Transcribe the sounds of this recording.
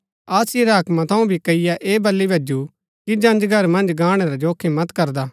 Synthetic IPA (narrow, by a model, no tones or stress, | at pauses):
aːsiɾɐkmãt̪ʰɐũbʱikɐɪjaʔeːbɐlːibʱɐd͡ʒu | kid͡ʒɐ̃nd͡ʒɡʱɐɾmɐ̃nd͡ʒɡaːɽ̃eɾɛd͡ʒoːkʰemɐt̪kɐɾd̪aː